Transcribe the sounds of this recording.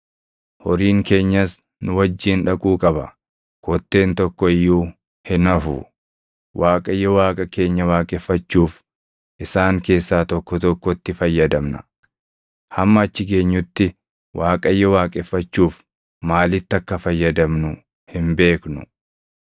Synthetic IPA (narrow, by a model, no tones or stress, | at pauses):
hɔɾiːŋke̞ːɲːɐs | nʊwɐd͡ʒːiːnᶑɐkʼuːkʼɐbɐ̰ | kɔt̪ːe̞ːnt̪ɔkːɔɪjːuː | hɪnɐfʊ̰ | wʔaːkʼɐjːɔwaːkʼɐke̞ːɲːɐwaːkʼɛfːɐt͡ʃːuːf | ʔɪsaːŋke̞ːsːaːt̪ɔkːɔt̪ɔkːɔt̪ːɪfɐjːɐd̪ɐmnɐ | hɐmːɐːt͡ʃːɪke̞ːɲːʊt̪ːɪ | waːkʼɐjːɔwaːkʼɛfːɐt͡ʃːuːf | maːlɪt̪ːɐkːɐfɐjːɐd̪ɐmnʊ | hɪmbe̞ːknʊ